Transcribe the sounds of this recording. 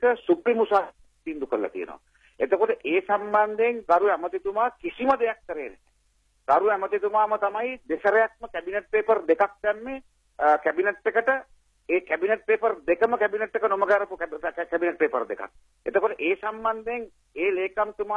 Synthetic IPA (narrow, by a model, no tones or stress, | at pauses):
kəsupɾimusaː | t̪ind̪ukəɾla̰t̪ḭjə̰no̰a̰ | et̪okoʈəʔeːsamband̪eeŋɡaɾuɛmət̪it̪umaːkisiməd̪ejakːəɾeːneɛ̰ | ɡ̥aɾuæmət̪it̪umaːmət̪amajd̪esəɾɐjak̚məkæbineʈ̚peːpərd̪ekak̚t̪æmːe | kæbineʈːekəʈə | eːkæbineʈ̚peːpərd̪ekəməkæbineʈːekənoməɡaɾəpukkæbineʈ̚peːpərd̪eka̰k̚ | ḛt̪okoʈəʔeːsamband̪eŋ | eːleːkamt̪umaː